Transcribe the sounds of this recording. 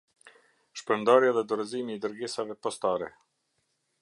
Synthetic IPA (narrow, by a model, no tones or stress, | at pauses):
ʃpɾənd̪aɾjaðɛd̪ɔɾɛzimiːd̪əɾɡisavɛpɔst̪aɾɛ̰